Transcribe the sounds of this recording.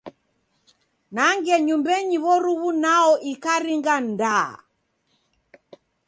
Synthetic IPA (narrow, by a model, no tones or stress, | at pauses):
naŋɡɛɲumbɛɲiβɔɾuβunaɔʔikaɾiŋɡanda